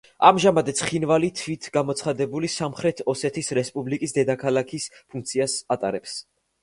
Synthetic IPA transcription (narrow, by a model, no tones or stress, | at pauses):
amʒamad̪ɛt̪sʰχinvalit̪ʰvit̪ʰɡamɔt̪sʰχad̪ɛbulisamχɾɛt̪ʰɔsɛt̪ʰisɾɛspʼublikʼisd̪ɛd̪akʰalˠakʰispʰuŋk̚ʰt̪sʰiasat̪ʼaɾɛps